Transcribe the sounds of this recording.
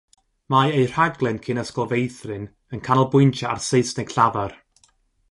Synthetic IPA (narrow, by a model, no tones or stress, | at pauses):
majejr̥aɡlˠɛnkʰɪnəskɔlˠvejθrɨn | ənkʰanɔlˠbʊjntʰaa̰rseɨsnɛɡɬavar